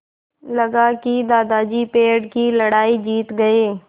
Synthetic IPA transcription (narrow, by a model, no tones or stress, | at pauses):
ləɡaːkiːd̪aːd̪aːd͡ʒiːpeːɖkiːləɽaːiːd͡ʒiːt̪ɡəeː